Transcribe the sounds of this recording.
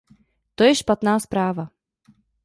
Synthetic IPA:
t̪ojɛʃpat̪naːspɾaːva

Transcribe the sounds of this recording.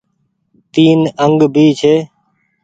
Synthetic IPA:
t̪iːnəŋɡbʱiːt͡ʃʰeː

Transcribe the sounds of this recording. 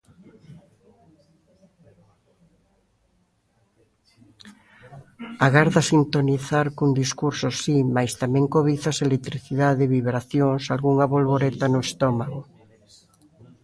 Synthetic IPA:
aɣaɾðasint̪oniθaɾkund̪iskuɾsosimajst̪amɛ̃ŋkoβ̞iθaselet̪ɾiθiðaðɪeβiβɾaθjoŋsalɣuŋaβolβoɾet̪anʊest̪ɔmaɣo

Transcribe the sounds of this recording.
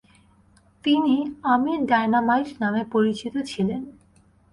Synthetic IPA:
t̪iniamiɾɖaenamajʈnamepoɾit͡ɕit̪ot͡ɕʰilen

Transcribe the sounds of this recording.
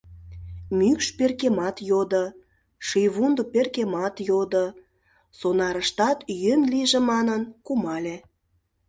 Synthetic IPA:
mykʃperkemɑt̪jod̪ə̆ | ʃijβund̪operkemɑt̪jod̪ə | sonɑɾəʃt̪ɑt̪jənliʒĕmɑnənkumɑlʲe

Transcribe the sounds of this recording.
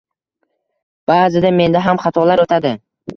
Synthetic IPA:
b̥aːzɪd̪ame̞nd̪aɦamχɑt̪ʰɒlaɾot̪ʰad̪ɪ

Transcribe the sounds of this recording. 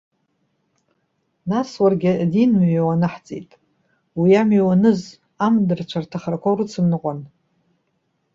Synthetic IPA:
naswarɡʲɪdinmɥwanɨħt͡sʼḛtʼ | wiamɥiwanɨz | amdɨrt͡ʃʷʰartʰaχarkʷoɾɨt͡sʰɨmnɨqʷʼan

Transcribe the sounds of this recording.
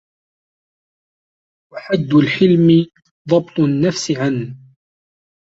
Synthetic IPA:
waħad̪ːʊlħɪlmɪ | ðˤɑbt̪ˤʊnːafsɪʕan

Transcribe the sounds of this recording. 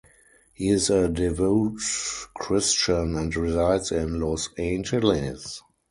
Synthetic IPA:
hiːɪzədɛvoʊtkʰɹɪst͡ʃə̃næ̃ntɹizaɪdsɪ̃nlɔsẽɪ̃nd͡ʒɛlɪs

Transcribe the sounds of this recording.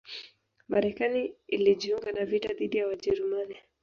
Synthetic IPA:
maɾɛkaniːliʄiuŋɡanavitaðiɗijawaʄɛɾumani

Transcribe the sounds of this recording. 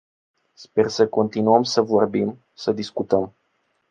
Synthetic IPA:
spe̞rsəko̞nt̪inuəmsəvo̞rbim | səd̪iskut̪əm

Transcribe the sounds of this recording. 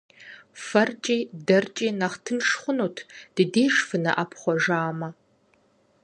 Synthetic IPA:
fɐrt͡ʃʼiːdɐrt͡ʃʼiːnɐχtʰɨnʂχʷʊnuːtʰd̥ɨdeːʂfɨnɐ̰ʔapʰχʷɔʒaːmɐ

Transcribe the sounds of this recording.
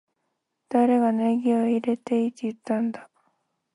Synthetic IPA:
d̪̥aɾe̞ɡaneɡʲioiɾe̞t̪e̞it̪ːeɯt̪ːãnd̪a

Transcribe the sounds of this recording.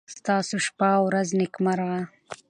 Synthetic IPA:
st̪ɑːsoʃpawɾaznɪkmaɾʁa

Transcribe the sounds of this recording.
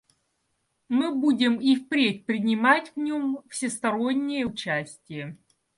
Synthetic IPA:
mɨbudʲɪmifpɾʲet̚ʲpɾʲɪnʲɪmatʲvnʲomfsʲɪst̪ɐɾonʲːɪjəʊt͡ɕæsʲtʲɪjə

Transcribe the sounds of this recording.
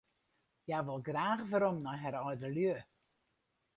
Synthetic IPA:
jaʋɪlˠɡraːxvəɾɔmnɔɦɛɾɔjdəljø

